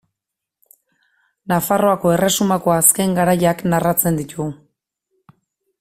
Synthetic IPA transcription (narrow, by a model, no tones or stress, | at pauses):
nafaro̞ako̞e̞re̞sumako̞aske̞ŋɡaɾajaknarat͡se̞nd̪it̪u